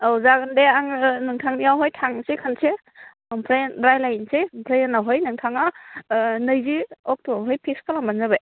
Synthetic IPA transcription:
awzaɡɯndeaŋnɯŋtʰaŋijawɦɔjtʰaŋsekʰanse | ɔmpʰɾenɾajlajnsempʰɾejenaɦɔjnɯŋtʰaŋa | nɯjziɔk̚tʰuaɦɯjpʰiskalambanzabej

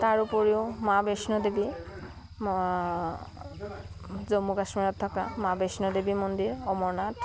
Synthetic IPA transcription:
taɹupɔɹiʊmabesnɔdebi | zomukasmiɹɔtʰːɔkamabesnɔdebimɔndiɹɔmɔɹnat

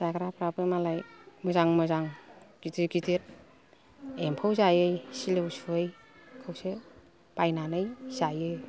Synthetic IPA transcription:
z̥aɡɾapɾabɯmalajmɯzaŋmɯzaŋɡ̥itiɡitʰiɾ | empʰɯwzajɯjsilɯwsuɯj | kʰɯwse | b̥ajnanɯjz̥ajɯj

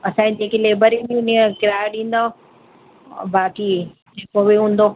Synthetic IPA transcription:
ɐsãːĩd͡ʑẽːkileːbəɾĩniʊniẽkɪɾaːeɗĩːn̆d̪o | baːki | d͡ʑeːkobiɦũːn̆d̪o

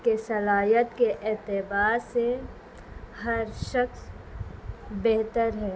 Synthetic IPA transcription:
kesɐlaːjət̪keʔɛːt̪ɪbaːse | hɐɾʃəks | beɦt̪əɾɦɛː

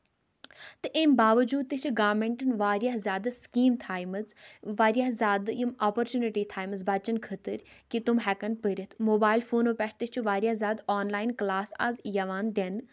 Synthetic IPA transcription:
t̪ɨʔeːmbaːʋɐd͡ʒuːd̪̚t̪ɨt͡ʃʰuɡaːmẽɳʈɨnʋaːɾjaɦzʲaːd̪skiːmt̪ʰaːjmɨzʋaːɾjaːɦzʲaːd̪jimaːpəɾt͡ʃuːniʈiːt̪ʰaːjməzbat͡ʃɐnkʰət̪ɨɾʲkit̪umɦɛkɐnpəɾʲət̪ʰmoːbaːilfʰoːnopʲɛʈʰt̪ɨt͡ʃʰuʋaːɾʲjaːzʲjaːd̪aːnlaːinklaːsa̰zjɐʋaːnd̪en

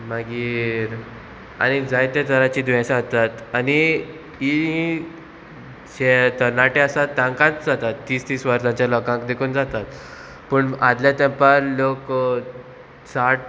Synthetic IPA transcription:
maɡiːɾ | a̰ñid͡zajt̪et̪əɾat͡ɕiːd̪ʋɛ̃sat̪at̪ani | iɦĩ | d͡ʑet̪ənaʈeasat̪ãŋkãt̪d͡zat̪at̪ːiːst̪iːsʋəɾsãɲt͡ɕjalɔkãŋkd̪ekʰuːnd͡zat̪at̪ | pəːɳad̪ljat̪ɛ̃mpaɾlok | saʈ

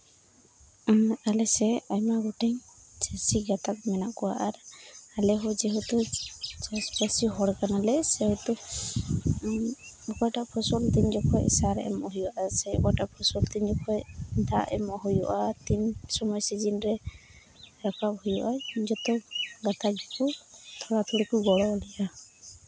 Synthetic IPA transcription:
alɛsɛajmaɡɔʈɛɲt͡ʃɛsiɡat̪ak̚mɛnaʔkɔwaʔaɾalɛɦɔd͡ʒɛɦut̪ut͡ʃaspasiɦɔɽkanalɛsɛɦut̪u | ɔkɔjʈaʔpʰɔsɔlt̪iɲd͡ʒɔkʰɔjsaɾʔɛmɔɦujuaʔasɛɔ̰kɔjʈapʰɔsɔlt̪iɲd͡ʒɔkʰɔjd̪aʔɛ̰mɔɦujɔʔat̪insɔmɔjsid͡ʒinɾɛ | ɾakʰap̚hujuʔad͡ʒɔt̪ɔɡat̪ʰad͡ʒɔkut̪ʰɔɽat̪ʰuɽikuɡɔɽɔɔlija

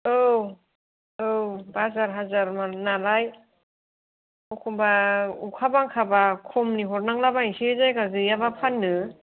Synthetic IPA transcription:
ɯw | ɯwbazaɾɦazaɾmanalaj | ɔkʰɔmbaukʰabaŋkʰabakʰɔmniɦɔɾnaŋlabaisezajkazɯjabapʰanːɯ

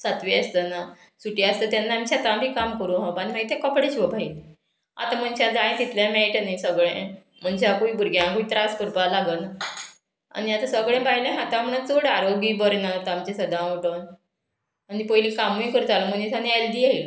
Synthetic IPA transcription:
sat̪ʋiast̪əna | suʈiast̪ət̪janːaːmt͡ɕat̪ãbʱiːkamkəɾũɦãbanimaɡit̪ekəpɽeɕiʋəbʱail | a̰t̪am̤ənt͡ɕad͡zaj̃t̪it̪lãmeʈanisəɡɭẽ | m̤əɳd͡ʑakuibʱuɾɡjãkuit̪ɾaskuɾpalaɡəna | a̰niat̪asəɡɭẽbaɦjlẽɦat̪ãm̤ənat͡soɽaɾoɡiːbəɾnat̪amt͡ɕẽsəd̪ãoʈən | anipəjlĩkamujkəɾut̪aləm̤ənit̪ʰanẽɛld̪iːaɦi

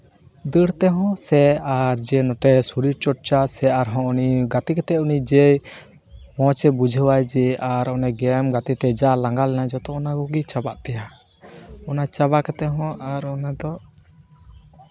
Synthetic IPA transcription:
d̪əɽt̪ɛɦɔ̃sɛaɾd͡ʒɛnɔʈɛsuɾiɾt͡ʃɔʈ̚t͡ʃasɛaɾɦɔ̃ɔniɡat̪ikɛt̪ɛunid͡ʒɛj | mɔ̃t͡ʃɛbud͡ʒʱəwajd͡ʒɛʔaɾɔnɛɡɛmɡat̪it̪ɛd͡ʒalaŋɡalɛnajd͡ʒɔt̪ɔɔnaɡɔɡit͡ʃabaʔt̪ɛja | ɔnat͡ʃaβakɛt̪ɛɦɔ̃ʔaɾɔnad̪ɔ

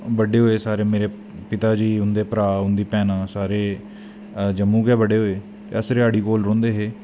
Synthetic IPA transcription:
bəɖeːɦoːeːsaːɾeːmeːɾeː | pɪt̪aːd͡ʒiːʊnd̪eːpəɾaːʊnd̪iːpɛːnãːsaːɾeː | d͡ʒəmːũːkɛːbəɖeːɦoːeː | t̪ḛːəsɾeːaːɽiːkoːlɾɔ̃ːnd̪eːɦeː

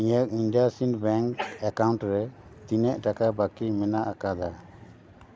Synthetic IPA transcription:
iɲək̚inɖasinbɛŋkɛkawɳʈɾɛ | t̪inɛʔʈakabakimɛnaʔakad̪a

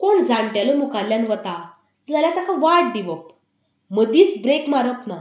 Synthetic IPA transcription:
koɳd͡zãɳʈjaləmukaljanʋət̪a | d͡zalat̪akaʋaʈ̚d̪iʋəp | məd̪iːt͡sbɾekmaɾət̪na

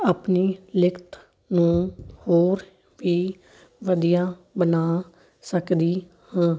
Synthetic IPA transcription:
aːpniːlɪkt̪ | nũːhoːɾ | ʋiː | ʋəd̪ijãːbənaː | səkd̪iː | hãː

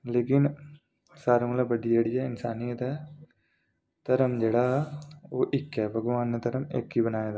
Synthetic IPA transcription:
leːkɪn | saːɾɐmɐlɐbɐɖieːɽijɛɪnsaːnijət̪ɛ | t̪ɐɾɐmd͡ʒeːɽaːoːʔɪkːɛːbʱɐɡʋaːnɐt̪ɐɾɐmḛːkɦibɐnaːjed̪a

